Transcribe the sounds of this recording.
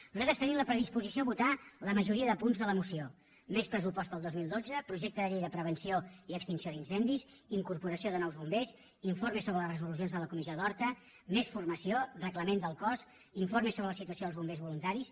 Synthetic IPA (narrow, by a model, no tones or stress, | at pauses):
nuzat̪ɾəst̪ənimləpɾəðispuzisioβut̪aləməʒuɾiəðəpunzðələmusio | mespɾəs̬upɔst̪̚pəlˠd̪ozmilˠd̪od͡zəpɾuʒek̚t̪əðəʎejðəpɾəβ̞ənsioiəkst̪insioðinsɛnd̪is | iŋkuɾpuɾəsioðənɔwzβumbes | iɱformesoβɾələsrəzulusionzðələkumisjoðɔɾt̪ə | mesfurməsiorəkləmend̪əlˠkɔs | iɱfoɾmesoβɾələsit̪uəsioðəlˠzβumbezβulunt̪aɾis